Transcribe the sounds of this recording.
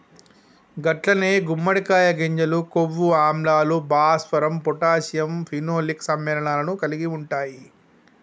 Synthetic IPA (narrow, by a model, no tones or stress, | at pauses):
ɡɐʈlɐneːɡumːɐɽikaːjɐɡeɲd͡ʒɐlukoʋːuaːmlaːlubaːspɐɾɐmpɔʈaːsjɐmpʰinoːliksɐmːɛːlɐɳaːlɐnukɐliɡiuɳʈaːji